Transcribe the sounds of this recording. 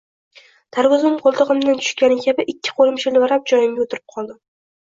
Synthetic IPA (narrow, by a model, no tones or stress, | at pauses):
t̪ʰaɾvʊzɪmqʰolˠt̪ɨʁɨmd̪ant̪ʰʊ̥ʃkʲanɪkʲʰabɪʔɪkʲːɪ̥qʰolˠɪmʃɪlɪvaɾap̚d͡ʒɒjɪmɡʲaot̪ʰɪɾɪp̚qʰɒlˠd̪ɪ